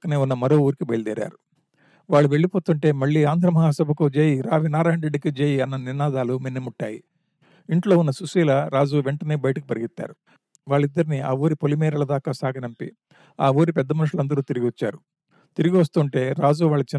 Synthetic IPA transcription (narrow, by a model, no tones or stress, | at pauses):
kɐneːunːɐmɐɾo̞ːuːɾikibɐjld̪eːɾa̰ːɾu | ʋaːɭːuʋe̞ɭːipo̞ːt̪uɳʈe̞ːmɐɭːiːaːnd̪ʱɾɐmɐɦaːsɐbʱɐkud͡ʒeːjiɾaːʋinaːɾaːjɐnɾeɖːikid͡ʒeːjiɐnːɐniɾnaːd̪aːluminːɐmuʈːaːji | iɳʈlo̞ːunːɐsusiːlɐɾaːd͡ʒuːʋe̞ɳʈɐneːbɐjʈɐk̬ipɐɾiɡit̪ːa̰ːɾu | ʋaːɭːid̪ːɐɾiniaːuːɾipolimɛːɾɐɭɐd̪aːkaːsaːɡɐnɐmpḭ | aːʋuːɾipɛd̪ːɐmɐnuʂulɐnd̪ɐɾuːt̪iɾiɡʲiʋɐt͡ʃːa̰ːɾu | t̪iɾiɡiʋɐst̪uːɳʈe̞ːɾaːd͡ʒuːʋaːɭːɐt͡ʃi